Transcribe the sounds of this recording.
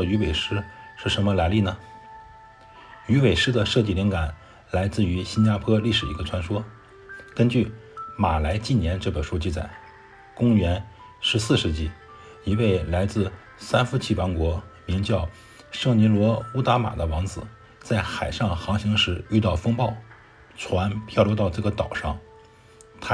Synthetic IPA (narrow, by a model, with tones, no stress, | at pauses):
y˧˥we˨˩ɪʂɻ̩˥ʂɻ̩˥˩ʂə˧˥mə˧la˧˥ɪli˥˩nə˩ | y˧˥we˨˩ɪʂɻ̩˥d̪ə˨ʂɤ˥˧t͡ɕi˥˩li˧˥ŋka˨˩˦n | la˧˥ɪt͡sɹ̩˥˩y˧˥ɕi˥nt͡ɕja˥pʰwɔ˥li˥˩ʂɻ̩˨˩i˧˥ɡə˧ʈ͡ʂʰwa˧˥nʂwɔ˥ | kə˥nt͡ɕy˥˩ma˨˩la˧˥ɪt͡ɕi˥˩njɛ˧˥nʈ͡ʂɤ˥˩pə˨˩ʂu˥t͡ɕi˥˩t͡sa̰˨˩ɪ | kʊ˥ŋɥɛ˧˥n | ʂɻ̩˧˥sɹ̩˥˧ʂɻ̩˧t͡ɕi˥˩ | i˧˥we˥˩ɪla˧˥ɪt͡sɹ̩˥˩ | sa˥nfu˧˥t͡ɕʰi˥˩pa˧˥nkwɔ˧˥mi˧˥ŋt͡ɕjɑ˥˩ʊ | ʂɤ˥˩ŋni˧˥lwɔ˧˥u˥t̪a˧˥ma̰˨˩d̪ə˦wɑ˧˥ŋt͡sɹ̩˨˩ | t͡sa˥˩ɪxa˨˩ɪʂɑ˥˩ŋxɑ˧˥ŋɕi˧˥ŋʂɻ̩˧˥y˥˧t̪ɑ˥˩ʊfɤ˥ŋpɑ˥˩ʊ | ʈ͡ʂʰwa˧˥npʰjɑ˥˧ʊlu˧˥t̪ɑ˥˧ʊʈ͡ʂɤ˥˩ɡə˩t̪ɑ˨˩ʊʂɑ˥˩ŋ | t̪ʰa˥